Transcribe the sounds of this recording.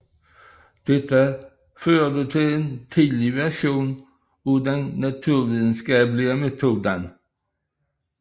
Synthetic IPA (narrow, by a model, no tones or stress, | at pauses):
d̪̥ɛt̪ʰːə | føːd̪ət̪ʰɪleːnt̪ʰiːd̪lɪvæʁʂuːn | uːd̪ɛnːat̪ʰʉːʁʋiːd̪ən̩skɑːplɪəmɛt̪ʰuːd̪ən